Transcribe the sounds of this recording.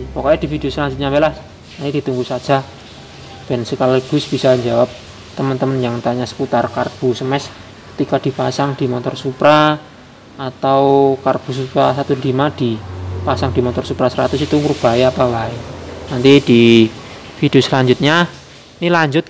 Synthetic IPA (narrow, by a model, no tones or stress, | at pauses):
pɔkɔɲad̥ifideosəlaɲd͡ʒʊt̪̚ɲabelas | nanid̥i̤t̪uŋɡusḁd͡ʒ̥a̤ | d̥ɛnsəkalaɡ̥ʊ̤sb̥isaɲd͡ʒawap̚ | t̪əmənt̪əmənjaŋt̪aɲasə̥put̪arkarb̥ṳsəmɛs | kət̪ikad̥i̤pasaŋd̥i̤mɔt̪ɔrsupɾaː | t̪awkarb̥ṳsupɾasat̪ulimad̥ipasaŋd̥i̤mɔt̪ɔrsupɾasəɾat̪ʊsit̪uŋɾub̥aiapalaɪnnant̪id̥i | fideosəlaɲd͡ʒʊt̪̚ɲa | inilaɲd͡ʒʊt̪̚